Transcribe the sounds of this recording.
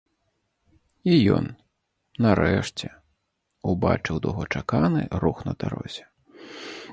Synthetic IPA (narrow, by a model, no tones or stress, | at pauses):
ijɔ̰nː | aɾɛʂt͡sʲɛ | ubat͡ʂɨwd̪ɔ̰ɣɔt͡ʂakanɨɾuxnɐd̪aɾɔ̰zʲɛ